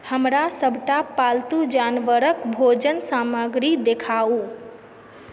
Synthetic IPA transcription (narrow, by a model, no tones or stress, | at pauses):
həmɾasəbʱʈapalt̪ud͡ʒanʋəɾəkbʱod͡ʒənsaːməɡɾid̪ekʰau